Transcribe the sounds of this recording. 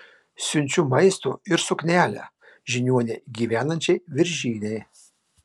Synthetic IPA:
sʲʊnʲt͡ʃʲuːmɐɪst̪o̰ːɪɾsʊknʲæːlʲæ̰ː | ʒʲɪnʲuɔnʲeɡʲiːʋʲæːnɐnʲt͡ʃʲɛɪʋʲɪɾʲʒʲiːnʲɛɪ

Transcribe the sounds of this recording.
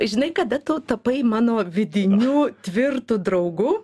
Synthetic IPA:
ʒʲɪnɐɪkɐd̪ɐt̪ʊt̪ɐpɐɪmɑːnoːʋʲɪd̪ʲɪnʲuːt̪ʲʋʲɪrt̪ud̪ɾɐʊɡuː

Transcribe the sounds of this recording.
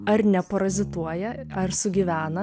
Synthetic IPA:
ɐɾnʲɛpɐɾɐzʲɪt̪uɔjɛ | ɐɾsʊɡʲiʋʲæːnɐ

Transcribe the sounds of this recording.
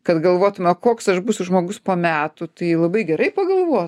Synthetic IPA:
kɐt̪ɡɐlˠʋoːt̪ʊmʲɛkoːksɐʃbʊsʲʊʒmoːɡʊspoːmʲæːt̪ʊt̪ɐɪlˠɐbɐɪɡʲɛɾɐɪpɐɡɐlˠʋoɔ

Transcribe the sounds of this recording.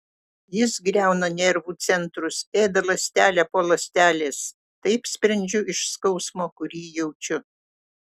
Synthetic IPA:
jɪsɡɾʲæˑʊnɐnʲɛɾʋuːt̪sʲɛnt̪ɾʊseːd̪ɐlˠɐsʲt̪ʲæːlʲæpoːlˠɐsʲt̪ʲæːlʲeːs | t̪ɐɪpsʲpʲɾʲɐnʲd͡ʒʲʊɪʃskɒʊsmoːkʊɾʲiːjɛʊt͡ʃʲʊ

